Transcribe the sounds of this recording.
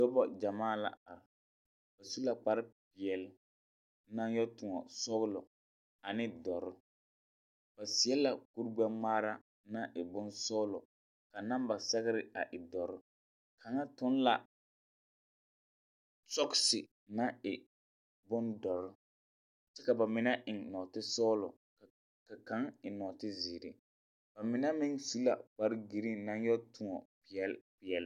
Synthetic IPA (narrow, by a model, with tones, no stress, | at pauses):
dɔ˦bɔ˨d͡ʒa˨maː˦˨la̰˨a˨ɾɪ˨ | ba˨su˦la˨k͡pa˨ɾɪ˦pɪ˨ɛ˨l | na˦njɔ˦tʊ˨ŋɔ˨sɔ˦ɣʊ˦lɔ˨ | a˨nɪ˦dɔ˨ɾʊ˦ | b̥a˨si˨ɛ˦la˨ku˦ɾɡ͡ba˦ŋ͡maː˦ɾa˦ | nã˦ʔɪ˨bʊ˦nsɔː˦lɔ̰˨ | ka˨na˦mba˨sɛ˦ɣɪ˦ɾɪ˦a˨ʔɪ˨dɔ˨ɾʊ˦ | kʰa˨ŋa˦tʊ˦n˦la˨ | sɔ˦ksɪ˨ | na˦ɪ˨ | bʊ˦ndɔ˨ɾʊ˦ | t͡ʃɛ˦ka˨ba˨mɪ˨na˦ʔɪ˨ŋnɔ˨tɪ˦sɔː˦lɔ̰˨ | ka˨ka˨˦ŋɪ˨nɔː˨tɪ˦ziː˨ɾɪ̰˨ | b̥a˨mɪ˨na˦mɪ˦ŋsu˦la̰˨k͡pa˦ɾɡi˨ɾi˦nã˦ŋjɔ˦tʰʊ˦ɔ̰˨pɪ˨ɛ˦lpɪ˨ɛ˨l